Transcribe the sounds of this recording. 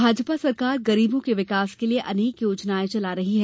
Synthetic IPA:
bʱaːd͡ʒpasɐɾkaːɾɡɐɾiːbõkeʋɪkaːskelieʔɐneːkjoːd͡ʒnaːet͡ʃɐlaɾɐɦiɦɛː

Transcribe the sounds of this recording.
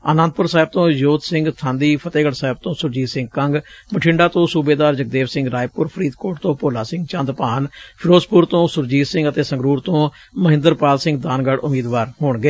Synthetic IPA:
a̰ːnãnd̪̚pʊɾsaːɪb̚t̪õːjoːt̪sɪ̃ŋɡt̪ʰãːnd̪iːpʰət̪eːɡəɽsaːɪb̚t̪õːsʊɾd͡ʒiːsɪ̃ŋɡ̚kəŋɡməʈʰɪɳɖaːt̪õːsuːbeːd̪aːɾd͡ʒək̚d̪eːʋsɪ̃ŋɡɾaːjpʊɾpʰəɾiːt̪koːʈt̪õːpoːlaːsɪ̃ŋɡt͡ʃãːnd̪paːnpʰɪɾoːspʊɾt̪õːsʊɾd͡ʒiːsɪ̃ŋɡət̪eːsə̃ŋɡɾuːɾt̪õː | məɦɪ̃nd̪əɾpaːlsɪ̃ŋɡd̪aːnɡəɽʔʊmiːd̪ʋaːɾɦoːɳɡeː

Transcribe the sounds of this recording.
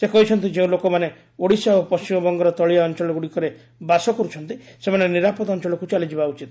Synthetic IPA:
sekɔɦit͡ʃʰɔnt̪id͡ʒeũlokɔmane | oɽisaopɔst͡ʃimɔbɔŋɡɔɾɔt̪ɔɭijaɔnt͡ʃɔɭɔɡuɽikɔɾe | basɔkɔɾut͡ʃʰɔnt̪isemaneniɾapɔd̪ɔnt͡ʃɔlɔkut͡ʃalid͡ʒibaut͡ʃit̪

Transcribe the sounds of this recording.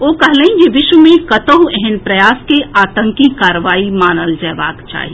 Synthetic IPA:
oːkɐɦləĩjeʋɪʃʋəmẽkɐt̪əɦũɛɦɛnpɾɐjaːskeaːt̪ə̃ŋkikaːɾʋaːimaːnəld͡ʒɛːʋa̰ːkt͡ʃa̰ːɦi

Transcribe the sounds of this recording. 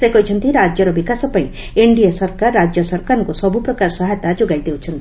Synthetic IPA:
sekɔit͡ʃʰɔnt̪iɾad͡ʒjɔɾɔbikasɔpãĩ | eɳɖijasɔɾkaɾːad͡ʒjɔsɔɾkaɾɔŋkusɔbupɾɔkaɾsɔɦajt̪ad͡ʒoɡajd̪ewt͡ʃʰɔnt̪i̥

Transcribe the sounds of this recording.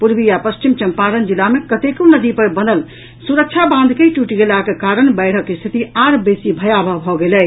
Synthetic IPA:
puɾbijapəst͡ʃimt͡ʃəmpaɾənd͡ʒilamekət̪ekonəd̪ipəɾbənəl | suɾək̚t͡ʃʰabãnd̪ʱkeʈuʈiɡelakekaɾənbɛɪɽ̤əkːest̪ʰit̪iaɾbesibʱəjabʱəbʱɔɡelɛ

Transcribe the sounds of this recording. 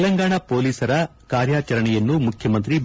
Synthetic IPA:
lɐŋɡaːɳɐpo̞ːliːsɐɾɐ | kaːɾjaːt͡ʃɐɾɐɳɛjɐnːumukʰjɐmɐnt̪ɾi

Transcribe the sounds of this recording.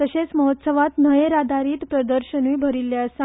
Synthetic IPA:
t̪əɕet͡sməɦot̪səʋat̪nəjeɾad̪aɾiːt̪pɾəd̪əɾɕənujbʱəɾilːjasa

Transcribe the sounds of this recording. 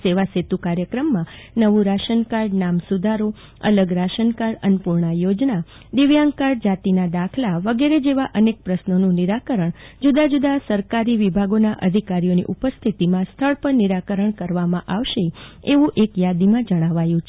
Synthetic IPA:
seʋaset̪ukaɾjəkɾəmːãnəʋũɾaʃənkaɾɖnamsud̪ʱaɾo | ə̰ləɡɾaʃənkaɾənpuɾɳajod͡ʒna | d̪iʋjãŋɡkaɾɖ̚d͡ʒat̪inad̪akʰlaʋəɡeɾed͡ʒeʋaʔənek̚pɾəsnonũniɾakəɾəɳd͡ʒud̪ad͡ʒud̪asəɾkaɾiʋibʱaɡonaʔəd̪ʱikaɾijonḭʔupəst̪ʰit̪imãst̪ʰəɭpəɾniɾakəɾəɳkəɾʋamãʔaʋʃeeʋũʔekjad̪imãd͡ʒəɽ̃aʋajũt͡ʃʰ

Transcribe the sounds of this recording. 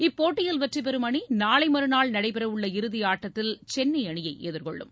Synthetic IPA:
ɪpːoːʈːɪjɐlʋɐʈrɐp̬ɛɾɯmɐɳinaːɭɐɪmɐɾɯnaːɭnɐɽɐɪpɛɾɐʋɯɭːɐɪɾɯðɪjaːʈːɐt̪ːɪlt͡ʃɛnːɐɪɐɳɪjɐɪʔḛːðɯɾkɔ̰ɭːɯ̰m

